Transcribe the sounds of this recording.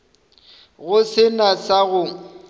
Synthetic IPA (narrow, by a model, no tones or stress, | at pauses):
ɣʊsɪnasaɣʊ